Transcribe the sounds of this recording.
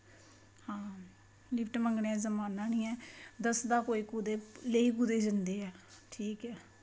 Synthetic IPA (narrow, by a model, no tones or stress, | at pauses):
hãː | lɪpʰʈməŋɡɳeːɛːzəmaːnaːnĩːɛːd̪əsd̪aːkoːiːkuːd̪eːleiːkud̪eːd͡ʒɪnd̪eːɛːʈʰiːkɛː